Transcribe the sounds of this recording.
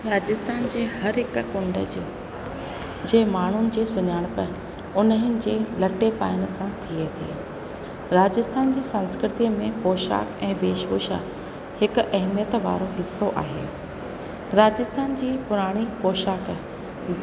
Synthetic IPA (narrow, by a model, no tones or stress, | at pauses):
ɾaːd͡ʑɪst̪ʰaːnd͡ʑeːhɐɾɦɪkkʊ̃ɳɖə̰d͡ʑ | d͡ʑeːmaːɳ̤ʊnɪ̆d͡ʑiːsʊɲaːɽ̃pɐ | ʊnɦɪnɪ̆d͡ʑeːlɐʈepaːɪɽ̃̆sãt̪ʰiet̪ʰḛː | ɾaːd͡ʑɪst̪ʰaːnd͡ʑiːsənskɾɪt̪iːmẽpoːʃa̰ːkɛ̃ːbeːʃʋoːʃa̰ | hɪkʊ̆ʔɐɦmijət̪ʋa̰ːɾoɦɪsːoʔa̰ːɦḛː | ɾaːd͡ʑɪst̪ʰaːnd͡ʑiːpʊɾaːɽ̃ipoːʃaːk